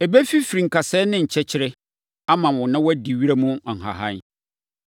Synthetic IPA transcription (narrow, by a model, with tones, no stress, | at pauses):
ɛ˨bæ˦fi˦fi˨ɾĩ˨ŋ̩˨kʰa˨sɛː˦nɪ̃˦ɲ̩˨t͡ɕʰɛ˦t͡ɕʰɪ˦ɾɪ˦ | a˦mã˨wʊ̃˨nã˦wɔ˦di˨ɥi˦ɾa˦mũ˦˨ŋ̩˨ɦa̰˨ɦã̰˦n˦